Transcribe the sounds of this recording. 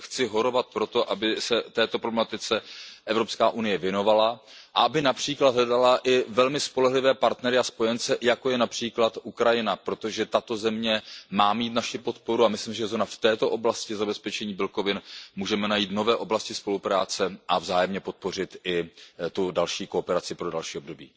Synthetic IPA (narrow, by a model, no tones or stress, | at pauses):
xt͡sɪɦo̞ɾo̞vat̪̚pɾo̞t̪o̞ʔabɪsɛt̪ɛːt̪opɾoblɛmat̪ɪt͡sɛʔɛvɾo̞pskaːʔunɪjɛvjɛno̞vala | ʔaʔabɪnapr̝̥iːklad̪ɦlɛdalaʔɪvɛlmɪspo̞lɛɦlɪvɛːpaɾt̪nɛɾɪaspo̞jɛnt͡sɛjako̞jɛnapr̥iːklat̪ʔukɾajɪnapɾo̞t̪o̞ʒɛt̪at̪o̞zɛmɲɛmaːmiːt̪naʃɪpo̞t̪̚po̞ɾuamɪslimsʒɛzonaft̪ɛːt̪o̞ʔo̞blascɪzabɛspɛt͡ʃɛɲiːbɪlko̞vɪnmuːʒɛmɛnajiːt̪no̞vɛːʔo̞blascɪspo̞lupɾaːt͡sɛʔavzaːjɛmɲɛpo̞t̪̚po̞r̝ɪt̪ʔɪt̪udalʃiːko̞pɛɾat͡sɪpɾo̞dalʃiːo̞b̚do̞bḭː